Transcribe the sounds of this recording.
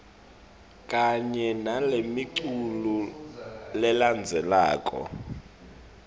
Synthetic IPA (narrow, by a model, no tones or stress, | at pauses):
kʼaɲɛnalemiǀulu | lɛland͡zʱɛla̰ːkʼɔ̰